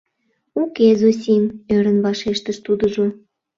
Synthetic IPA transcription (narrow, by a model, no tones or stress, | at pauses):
ukezos̬ʲimøɾənβɑʃeʃt̪əʃt̪ud̪əʒo